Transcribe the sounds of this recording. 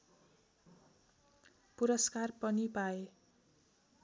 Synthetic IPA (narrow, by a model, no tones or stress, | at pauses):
puɾʌskarpʌnipae